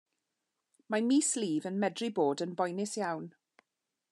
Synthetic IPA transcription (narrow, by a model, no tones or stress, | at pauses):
mamiːsliːvənmɛdriboːdənbɔjnɪsjawn